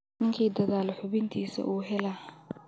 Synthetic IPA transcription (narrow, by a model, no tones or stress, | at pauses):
nɪŋkʰiːd̪ɐðaːlħʊβɪnt̪ʰiːsɐ̰ʔuːɦɛlɐ